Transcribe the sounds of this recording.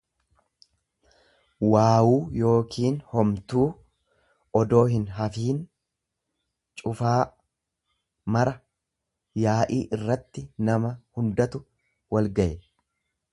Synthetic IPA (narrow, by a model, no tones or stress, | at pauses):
waːwuːjo̞ːkʰiːnhɔmt̪uː | ɔd̪o̞ːɦɪnɦɐfiːn | t͡ʃʼʊfaː | mɐɾɐ | jaːʔiːʔɪrːɐt̪ːɪnɐmɐhʊnd̪ɐt̪ʊ | wɐlɡɐʔɛ